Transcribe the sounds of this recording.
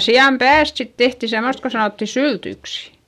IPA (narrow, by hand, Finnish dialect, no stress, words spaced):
siɑm pæːst sit tehti semost ko sɑnoˑtːi syltyksi̥